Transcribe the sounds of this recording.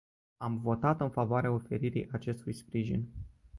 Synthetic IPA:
amvo̞t̪at̪ɨnfavoaɾeaofe̞ɾiɾḭjʔat͡ʃe̞st̪ujspɾiʒḭn

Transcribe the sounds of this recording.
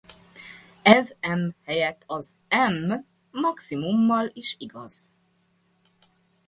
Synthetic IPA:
ɛzɛmhɛjɛt̪ʰːɒzɛmː | ɒksimumːɒliʃiɡɒz̥

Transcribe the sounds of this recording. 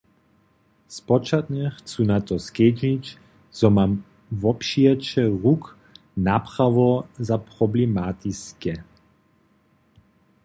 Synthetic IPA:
spɔt͡ʃat̪ɲɛxt͡sunat̪ɔskɛd͡ʒit͡ʃ | z̥ɔmam | vɔpʃiɛt͡ʃɛʁuk | naːpχaʋɔzaprɔblɛmat̪iskɛ

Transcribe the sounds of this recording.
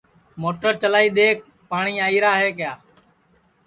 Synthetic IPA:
moːʈəɾt͡ʃəlaːiːɗ̪eːk̚ | paːɳiːaːiːɾaːɦeːkɪjaː

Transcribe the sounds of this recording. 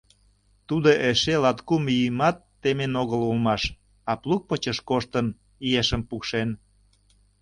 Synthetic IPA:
t̪ud̪oʔeʃelɑt̪kumijəmɑt̪ːemenoɣəlulmɑʃ | ɑpluk̚pət͡ɕəʃkoʃt̪ən | ieʃəmpukʃen

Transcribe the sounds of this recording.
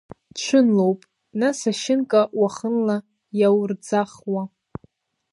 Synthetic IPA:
t͡ʃʷʰʊnlowpʼ | nasaʃɪnkʼawaχənla | jawrd͡zaχwa

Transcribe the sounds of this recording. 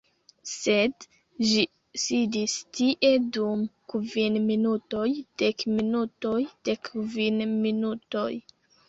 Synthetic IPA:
se̞d | ʒi | sidistiʔe̞dumkvinminuto̞jd̥ekminuto̞jd̥ekvinminuto̞j

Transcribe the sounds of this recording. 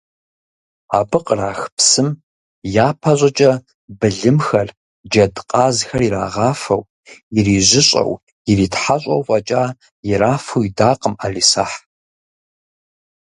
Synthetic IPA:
aːbɨqʼraːxpsɨm | jaːpʰɐɕʷʼɐt͡ʃʼɐ | bɨɮɨmxɐr | d͡ʒɐdqʼaːzxɐriɾa̰ːʁɑːfɐ̰w | jɪriːʑʷɪɕʼɐ̰w | jɪriːtħaɕʼɐwfʼɐt͡ʃʼaː | jɪɾaːfɐwidaːqʼəmaːɮisaːħ

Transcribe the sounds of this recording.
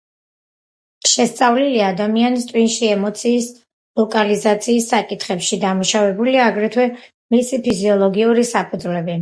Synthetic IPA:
ʃɛst̪sʼavliliad̪amianist̪ʼwinʃiɛmɔt̪sʰiːs | lˠɔkʼalizat̪sʰiːsːakʼit̪ʰχɛpʃid̪amuʃavɛbuliaɡɾɛt̪ʰwɛ | misipʰiziɔlˠɔɡiuɾisapʰud̪zlɛbi

